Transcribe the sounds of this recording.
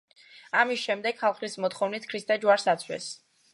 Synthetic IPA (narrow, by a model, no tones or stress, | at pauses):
amisʃɛmd̪ɛɡ̥χalˠχlismɔt̪χɔvnit̪ʰkʰɾist̪ʰʼad͡ʒuaɾsat̪sʰwɛ̰s